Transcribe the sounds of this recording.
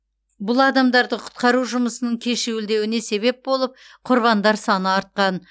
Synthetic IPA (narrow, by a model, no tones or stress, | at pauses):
bʊlˠɑd̪ɑmd̪ɑɾd̪əqʰʊ̥t̪̚qɑɾuʒʊməsənəɴkʲʰe̞ʃewɪld̪e̞wɪne̞se̞βe̞p̚bo̞lˠəp̚ | qʰʊɾβɑnd̪ɑɾsɑnəɑɾt̪̚qɑn